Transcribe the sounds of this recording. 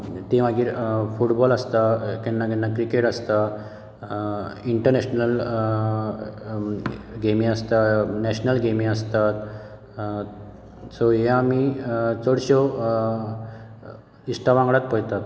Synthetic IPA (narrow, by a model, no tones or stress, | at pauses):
t̪iʋaɡiːɾfuʈbɔləst̪akinːakinːakɾikeʈəst̪a | iɳʈəɾnɛɕnəl | ɡemĩəst̪anɛɕnəlɡemĩəst̪at̪ | sɔɦeamit͡səɽɕɔ | isʈaʋãŋɡɭat̪̚pəjt̪at̪